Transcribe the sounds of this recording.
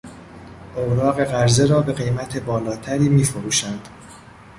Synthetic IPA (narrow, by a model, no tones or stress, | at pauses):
ʔowɾɒːɣe̞ɣæɾze̞ɾɒːbe̞ɣe̞jmæt̪ʰe̞bɒːlɒːt̪ʰæɾiːmiːfoɾuːʃænd̪̥